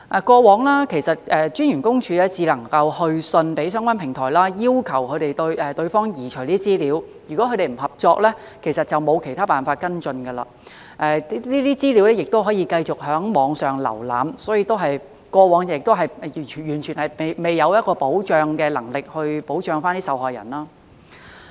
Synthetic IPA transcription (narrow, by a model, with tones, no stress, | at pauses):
ʔɛ˨˧kʷɔː˧wɔː˨˥ŋlaː˥kʰe˨˩jsɐ˨t̚ʔɛː˨˧t͡ʃyː˥njyː˨˩nkʊ˥ŋt͡ʃʰyː˧lɛː˥t͡siː˨˧lɐ˨˩ŋkɐ˧whɵ˧ɥsɵ˧npe˨˥jsœː˥ŋkʷa˥npʰɪ˨˩ŋt̪ʰɔː˨˩jlaː˥jiː˥wkʰɐ˨˩wkʰɵ˨˧ɥt̪e˨jt̪ɵ˧ɥʔɛː˨˩t̪ɵ˧ɥfɔː˥ŋjiː˨˩t͡ʃʰɵ˨˩jliː˥t͡siː˥liː˨˥wjyː˨˩kʷɔ˨˥kʰɵ˨˧ɾe˨˩jm̩˨˩hɐ˨p̚t͡ʃɔː˧k̚lɛː˥ | kʰe˨˩jsɐ˨t̚t͡sɐ˨wmo˨˧wkʰe˨˩jt̪ʰaː˥paː˨˩nfaː˧t̚kɐ˥nt͡sɵ˧nɡɐ˧la̰ː˧˩ | ʔɛː˧˥liː˥t̪iː˥t͡siː˥liː˨˥wlɛː˥jɪ˨k̚t̪o˥wɦɔː˨˥jiː˧kɐ˧jt͡sʊ˨k̚ɦœː˨˥ŋmɔː˨˧ŋsœː˨ŋlɐ̰˨˩wla̰ː˨msɔː˨˥jiː˧t̪o˥wɦɐ˨j | kɔː˧wɔː˨˧˥ŋː˨ɪ˨k̚t̪o˥wɦɐ˨jʰjyː˨˩nt͡ʃʰyː˨˩nhɐ˨jme˨jme˨˩jːɐ˨˧wjɐ˥t̚kɔː˧po˨˥wt͡ʃœː˨˧ŋkɛː˧lɐ˨˩ŋlɪ˨k̚hɵ˧ɥpo˨˥wt͡ʃœː˧ŋfaː˥nt̪iː˥sɐ˨whɔː˨jɐ̰˨˩nlaː˥